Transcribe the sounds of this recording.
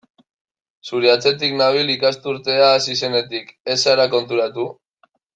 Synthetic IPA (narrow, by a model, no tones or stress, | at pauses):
suɾeat͡se̞t̪iknaβ̞ilikast̪uɾt̪e̞aːsise̞ne̞t̪ike̞saɾako̞nt̪uɾat̪u